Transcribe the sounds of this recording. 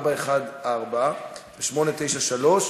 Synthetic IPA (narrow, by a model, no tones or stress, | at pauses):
baeχad̪aʁbaveʃmo̞net̪e̞jʃaʃalo̞ʃ